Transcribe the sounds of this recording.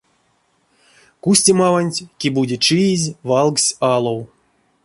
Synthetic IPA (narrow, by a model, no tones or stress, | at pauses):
kusʲtʲimavanʲtʲkʲibudʲit͡ʃɨjizʲvalˠksʲalˠow